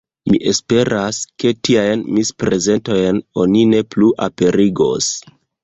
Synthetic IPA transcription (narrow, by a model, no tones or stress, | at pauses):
miʔe̞spe̞ɾʔaske̞tiajnmispɾe̞ze̞nto̞jno̞nine̞pluʔape̞ɾiɡo̞̰s